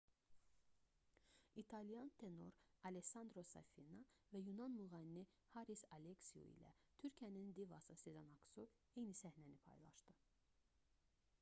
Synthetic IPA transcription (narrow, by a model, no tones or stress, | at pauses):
it̪ʰɑlijɑnt̪ʰe̞no̞ɾɑleksɑnd̪ɾo̞sɑ̰finɑvæjunɑnmuʁɑlini | hɑɾisɑleksiṵḭlæ̰t̪ʰyɾcʰiænind̪ivɑsɯsezanɑksov | ejnisæhnænipʰɑ̰jlˠɑ̰ʃt̪ɯ